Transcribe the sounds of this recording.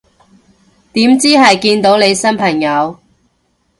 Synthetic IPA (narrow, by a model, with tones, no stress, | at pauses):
t̪iː˨˥mt͡siː˥ɦɐ˨jkiː˧nt̪o˨˥wle˨˧jsɐ˥npʰɐ˨˩ŋjɐ˨˧w